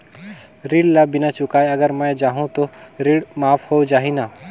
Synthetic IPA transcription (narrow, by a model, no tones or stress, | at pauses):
ɾiɽlabɪnat͡ʃʊkaːjɐɡəɾmə̃jd͡ʒaːɦũt̪oɾiɽmaːfʰhod͡ʒaːɦina